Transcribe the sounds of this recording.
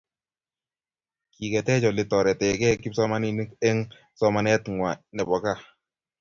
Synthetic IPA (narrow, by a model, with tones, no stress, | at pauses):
ki˨kɛ˨tɛ˦t͡ʃɔ˨lɪ˨tɔ˨ɾɛ˨tɛ˨kɛ˦ki˦p̚sɔ˦ma˦ni˨ni˦ke˦ŋ | sɔ˦ma˦nɛ˦tŋwa˨nɛ˨bɔ˨˦ka˦˨